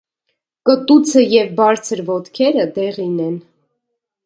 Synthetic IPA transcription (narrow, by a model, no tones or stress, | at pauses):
kət̪ut͡sʰəjɛvbɑɾt͡sʰəɾvɔt̪kʰɛɾəd̪ɛʁinɛn